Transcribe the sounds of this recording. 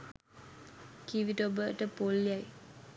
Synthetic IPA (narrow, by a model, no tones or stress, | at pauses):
kiʋiʈobəʈəpolːjaj